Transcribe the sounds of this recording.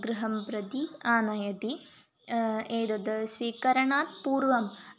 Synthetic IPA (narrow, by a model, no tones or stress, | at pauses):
ɡɾɨɦɐmpɾɐt̪iaːnɐjɐt̪i | eːd̪ɐd̪ɐsʋiːkɐɾɐɳaːt̪puːɾʋɐm